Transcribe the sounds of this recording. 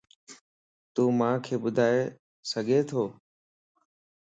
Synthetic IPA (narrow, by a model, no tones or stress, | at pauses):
t̪uːmãːkʰeːɓʊd̪ʱaːe | səɡʱeːt̪ʰoː